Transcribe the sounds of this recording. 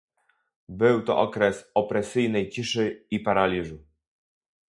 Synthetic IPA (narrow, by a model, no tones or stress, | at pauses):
bɘwt̪ɔ̰ʔɔkɾɛsɔpɾɛsɘjnɛjt͡ɕiʂɘipaɾalʲiʐu